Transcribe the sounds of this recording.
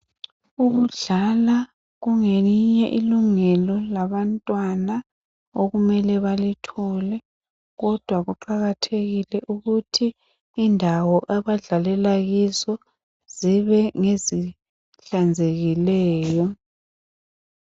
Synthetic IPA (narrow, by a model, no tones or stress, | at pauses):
uɣuɮala | ɣuŋeiɲɛʔiluŋɛlɔlaβantʼwana | oɣumɛlɛβalitʰɔlɛ | ɣɔd̥ʱwaɣuǃaɣatʰeɣilɛʔuɣutʰiː | ndʱawɔʔaβaɮalɛlaɣizɔ | ziβɛŋezi | ɬand͡zʱeɣilɛːjɔ